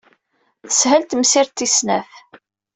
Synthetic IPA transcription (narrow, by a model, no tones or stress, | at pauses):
θə̥shælt̪msɪɾt̪ːisnæ̰f